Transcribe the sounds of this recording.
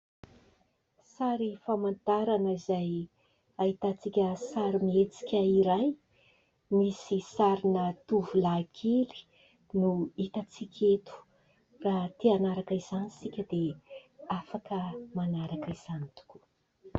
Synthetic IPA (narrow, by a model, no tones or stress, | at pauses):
saɾifamant̪aɾanəizaj | ait̪at͡sikʲəsaɾimiet͡si̥kʲəiɾaj | misisaɾinət̪uvulakʰeli̥ | nuit̪at͡sikʲʰet̪u̥ | rat̪ianaɾakaiz̥anisikʲəd̪e | afakəmanaɾakiz̥anit̪u̥ku̥